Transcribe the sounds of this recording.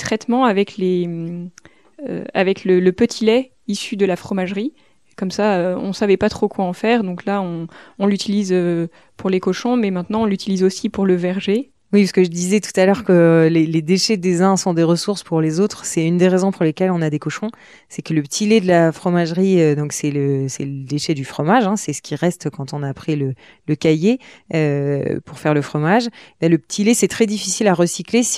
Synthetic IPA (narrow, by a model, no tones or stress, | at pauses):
t̪χɛt̪mɑ̃avɛklem | ø̰a̰vɛklələpət̪ʰilɛ | isyd̪əlafχɔmaʒʁi | kɔmsaøɔ̰̃savɛpat̪χokwaɑ̃fɛːʁd̪ɔ̃klaɔ̃ɔ̃lyt̪ilizø | puʁlekɔʃɔ̃mɛmɛ̃t̪nɑ̃ɔ̃lyt̪ilizosipuʁləvɛʁʒe | wisə̥kəʒəd̪izɛt̪u̥t̪alœʁkəleled̪eʃɛd̪ezɛ̃sɔ̃d̪eʁəsuʁspuʁlezot̪χsɛynd̪eʁezɔ̃puʁlekʲɛlɔ̃nad̪ekɔʃɔ̃ | sɛkələpət̪ʰiled̪əlafχɔmaʒʁiød̪ɔ̃ksɛləsɛ̰ləd̪eʃɛd̪yfχɔmaʒɛ̃sɛsə̥kʲʰiʁɛst̪kɑ̃t̪ɔ̃napχilə | ləkajeøpuʁfɛʁləfχɔmaʒbɛ̃ləpə̥t̪ʰilesɛt̪χɛd̪ifisilaʁəsikles